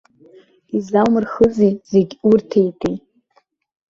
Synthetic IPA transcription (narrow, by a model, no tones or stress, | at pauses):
izawmɨrχəzijzeɡʲurtʰejtʰʼej